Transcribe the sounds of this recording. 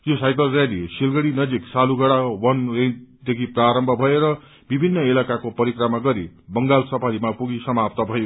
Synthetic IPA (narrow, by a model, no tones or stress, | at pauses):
josajkʌlralisilɡʌɽinʌd͡ziksaluɡʌɽawʌnrend͡zd̪ekʰipraɾʌmbʱʌbʱʌeɾʌ | bibʱinːʌelakakopʌɾikramaɡʌɾibʌŋɡalsʌpʰalimapuɡisʌmap̚t̪ʌbʱʌjo